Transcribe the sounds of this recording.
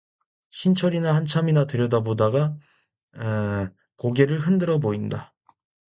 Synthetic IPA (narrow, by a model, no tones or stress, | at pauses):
ɕʰint͡ɕʰʌɾinahant͡ɕʰaminatɯɾjʌdabodaɡa | e | koɡe̞ɾɯɭɦɯndɯɾʌboinda